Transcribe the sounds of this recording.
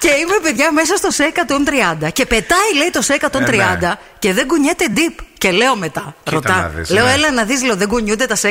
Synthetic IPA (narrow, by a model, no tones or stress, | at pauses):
ce̞ime̞peðʝɐme̞sɐst̪ose̞kɐt̪o̞nt̪ɾiɐnd̪ɐce̞pe̞t̪ɐile̞it̪o̞sekɐt̪o̞nt̪ɾiɐnd̪ɐ | ce̞ðe̞ɡuɲet̪e̞d̪ipce̞le̞o̞me̞t̪ɐɾo̞t̪ɐle̞oelɐnɐðiszleoðe̞ɡuɲund̪et̪ɐse